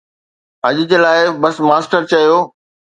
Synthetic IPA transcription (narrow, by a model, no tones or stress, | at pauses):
ɐʄɪd͡ʑeːlaːɪbɐsmaːsʈəɾt͡ɕɐijoː